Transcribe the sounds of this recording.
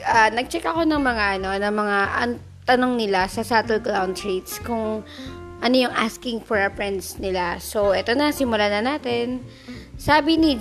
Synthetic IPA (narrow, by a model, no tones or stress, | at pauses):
ʔanɐɡ̚t͡ʃɛkɐko̞nɐŋmɐŋaʔɐno̞nɐŋmɐŋaʔɐ̰ŋ | t̪ɐnoŋnɪlasɐsat̪ɛlklawnd̪ɹit̪skʊŋ | ʔɐno̞jʊŋʔaskɪŋfoɹɐpɹɛnd̪snɪlaso̞ʔɛt̪onɐsɪmʊlanɐnaːt̪ɛn | saːbɪnɪ